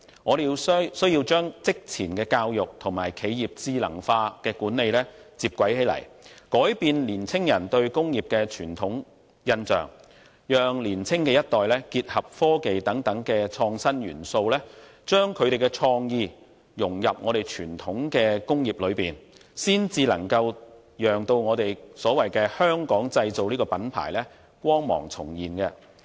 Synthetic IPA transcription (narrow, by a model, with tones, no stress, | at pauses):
ŋɔː˨˧ɾe˨jiː˧wsɵ˥ɥjiː˧wt͡ʃœː˥ŋt͡sɪ˥k̚t͡sʰiː˨˩nkɛː˧kaː˧wjʊ˨k̚t̪ʰʊ˨˩ŋma̰ː˨˩jkʰe˨˥jjiː˨p̚t͡siː˨lɐ̰˨˩ŋfaː˧kɛː˧kuː˨˥nːe˨˧jlɛː˥t͡siː˧p̚kʷwɐ˨˥jhe˨˥lɐ̰˨˩jkɔː˨˥jpiː˧nliː˨˩nt͡sʰɪ˥ŋjɐ˨˩nt̪ɵ˧ɥkʊ˥ŋjiː˨˩p̚kɛː˧t͡ʃʰyː˨˩nt̪ʰʊ˨˥ŋ | jɐ˧nt͡sœ̰ː˨˩ŋ | jœː˨˧ŋliː˨˩nt͡sʰɪ˥ŋkɛː˧jɐ˥t̚t̪ɔː˨jlɛː˥kiː˧t̚hɐ˨p̚fɔː˥ke˨jt̪ɐ˨˥ŋt̪ɐ˨˥ŋkɛː˧t͡ʃʰɔː˧ŋsɐ˥njy̰ː˨˩nso˧wlɛː˥t͡ʃœː˥ŋkʰɵ˨˧ɥt̪e˨jkɛ˧t͡ʃʰɔː˧ŋjiː˧ | jʊ˨˩ŋjɐ˨p̚ŋɔː˨˧ɾe˨˩jt͡ʃʰyː˨˩nt̪ʰʊ˨˥ŋkɛː˧kʊ˥ŋjiː˨˩p̚lɵ˨˧ɥpiː˨˩nsiː˥nt͡siː˧lɐ̰˨˩ŋkɐ˧w | jœː˨ŋt̪o˧wŋɔː˨˧t̪e˨jsɔː˨˥wɐ˨jkɛː˧hœː˥ŋkɔː˨˥ŋt͡sɐ˧jt͡so˨wliː˥kɔː˧pɐ˨˥npʰa̰ː˨˩jlɛː˥ | kʷɔː˥ŋmɔ̰ː˨˩ŋt͡sʰʊ˨˩ŋjiː˨nkɛ˧